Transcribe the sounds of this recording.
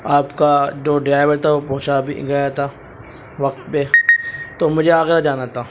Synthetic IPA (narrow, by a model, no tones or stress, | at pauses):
aːpkad͡ʒoːɖɾaːɪʋəɾt̪ʰaʋopɐɦʊt͡ʃabʱḭɡɐjat̪ʰaː | ʋɐk̚t̪pet̪oːmʊd͡ʒʱeaːɡɪɾad͡ʒaːnat̪ʰaː